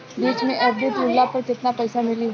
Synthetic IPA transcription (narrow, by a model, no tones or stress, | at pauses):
d̪eːʃmẽʔɐbd̪ʊt̪ɾʊlːapɐɾd͡ʒɪt̪napɛːsamɪliɦ